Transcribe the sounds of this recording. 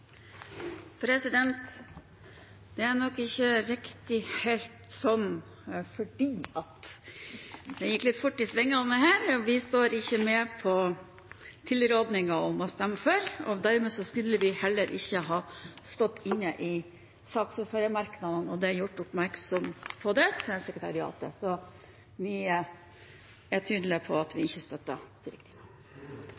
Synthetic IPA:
pʰɾɛsɪd̪ɛnt̪ | d̪̥ɛæɾnɔkːɪçːəɾɪkt̪ɪheːlt̪sɔm | fɔɖiːɑt̪ | d̪ɛjɪkːlɪt̪ːfʊʈːɪsʋɛŋːəɔmɛhæːɾɔʋɪst̪oːɾɪçːəmeːpʰɔ | t̪ʰɪlːɾoːd̪nɪŋɑɔmɑst̪ɛmːføːɾɔd̪æɾmɛːsɔskʉlːəʋɪhɛlːəɾʔɪçːəɦɑːst̪ɔt̪ːɪnːəʔɪ | sɑːksʊføɾəmɑɾknɑd̪ənɔd̪ɛæɾjʊʈːʊpmæɾksɔmpʰɔd̪ɛt̪ʰɛsɛkɾət̪ʰɑɾɪɑ̰ːt̪ə̰sɔ | ʋɪ | æʈʰyːd̪ləpʰɔɑt̪ʋɪɪçːəst̪œt̪ːə̰t̪ʰɪɾɪk̚t̪ʰɪnɑ

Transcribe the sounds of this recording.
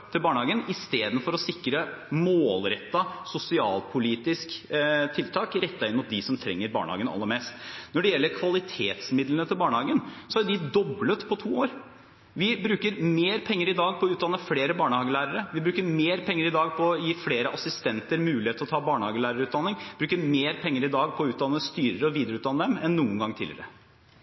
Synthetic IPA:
t̪ʰɪlbɑːɳəhɑːɡənɪst̪eːd̪ən̩fɔɾɔsɪkːɾəmoːlɾɛt̪ːɑsʊsɪɑ̰ːlpʰʊliːt̪ɪskt̪ʰɪlt̪ʰɑːkɾɛt̪ːɑɪnːmʊt̪̚d̪ɪsɔmt̪ʰɾɛ̰ŋːəɾbɑ̰ːɳəhɑ̰ːɡənɑ̰lːəɾmeːst̪nɔɖɛjɛlːəɾkʰʋɑlɪt̪ʰeːt̪smɪd̪lənət̪ʰɪlbɑːɳəhɑːɡənsɔædɪd̪ɔblət̪pʰɔt̪ʰuːoːɾ | ʋɪbɾʉːkəɾmeːɾpʰɛŋːəɾɪd̪ɑːɡ̚pʰɔʉːt̪d̪ɑnːəfleːɾəbɑːɳəhɑːɡəlæːɾəɾəʋɪbɾʉːkəɾmeːɾpʰɛŋːəɾɪd̪ɑːɡpʰɔɔjiːfleːɾəʔɑsɪst̪ɛnt̪əɾmʉːlɪeːt̪əɾɔt̪ʰɑːbɑːɳəhɑːɡəlæːɾəɾʉːt̪̚d̪ɑnːɪŋbɾʉːkəɾmeːɾpʰɛŋːəɾɪd̪ɑːɡpʰɔʉːt̪d̪ɑnːst̪yːɾəɾəɔʋiːd̪əɾəʉt̪d̪ɑnəd̪ɛmɛnːuːənɡɑŋːt̪ʰɪ̰lɪə̰ɾə

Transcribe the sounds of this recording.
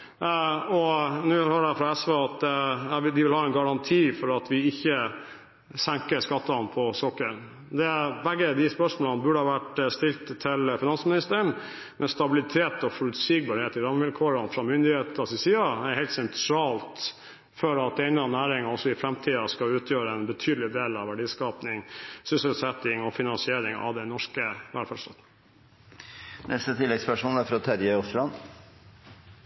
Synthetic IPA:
ɔnʉːhøːɖæfɾɑɛsʋeːɑt̪d̪ɛæd̪ɪʋɪlhɑːɛnɡɑɾɑnt̪ʰiːfɔɾɑt̪ʰʋɪɪçːə | sæŋkəʂkɑt̪ːɑnpʰɔsɔkːəɳ | d̪ɛbɛɡːəd̪ɪspœʂmoːlɑnəbʉɖəhɑːʋæʈst̪ɪlt̪ʰːɪlfɪnɑnsmɪnɪst̪əɳ | mʔɛst̪ɑbɪlɪt̪ʰeːt̪ɔfɔɾʉt̪siːɡ̚bɑɾheːt̪ɪɾɑmːəʋɪlkʰoːɾɑnfɾɑmʏnd̪ɪheːt̪ɑsɪsiːɑæhɛɪlt̪sɛnt̪ʰɾɑːlt̪ | føːɾɑt̪̚d̪ɛɪnɑnæːɾɪŋɑɔsːɔɪfɾɛmt̪ʰiːɑskɑʉːt̪ʰjøːɾəɛnbət̪ʰyːd̪əlɪd̪eːlɑʋæɖiːskɑːpnɪŋsʏsəlsɛt̪ɪŋɔfɪnɑnsɪeːɾɪŋɑ̰ʋd̪ɛnɔʂkəʋæ̰lfæʂt̪ɑ̰t̪n | nʔɛst̪ət̪ʰɪlːɛɡspœʂmoːlæɾfɾɑt̪ʰæɾjəɔslɑn

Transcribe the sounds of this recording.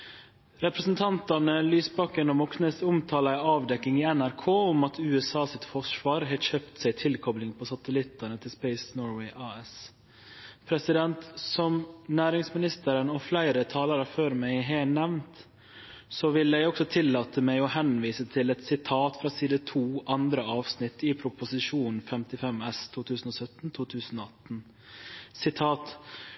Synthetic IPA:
ɾɛpɾəsnt̪ʰɑnt̪ɑnəlyːsbɑkːənɔmɔknəsʊmt̪ʰɑːlɑɑːʋd̪ɛkːɪŋiːɛnæɾkʰoːʊmɑt̪ʰʉːɛsɑːsɪt̪fɔʂʋɑːɾɦɛçøːpt̪sæɪt̪ʰɪlkʰɔblɪŋpʰɔsɑt̪əlɪt̪ːɑnət̪ʰɪlspɛɪsnoːɾwɛɪʔɑːɛs | pʰɾɛsɪd̪ɛnt̪sɔmnæːɾɪŋsmɪnɪst̪əɾənɔflæɪɾət̪ʰɑːləɾəføːɾmæɪɦɛnɛʋnt̪ | sɔʋɪlːɛɡɔksɔt̪ʰɪlːɑːt̪əmæɪɔhɛnʋiːsət̪ʰɪlɛt̪sɪt̪ʰɑːt̪fɾɑːsiːd̪ət̪ʰuːʔɑnd̪ɾəɑːʋsnɪt̪ːɪpʰɾʊpʊsɪʂuːnn̩fɛmt̪ɪfɛmɛst̪ʰuːt̪ʰʉːsn̩ɔːsœt̪nt̪ʰuːt̪ʰʉːsn̩ɔːɑt̪n̩ | sɪt̪ʰɑːt̪

